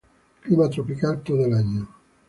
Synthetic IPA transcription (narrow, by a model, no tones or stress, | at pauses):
klimat̪ɾopikant̪od̪elaɲːo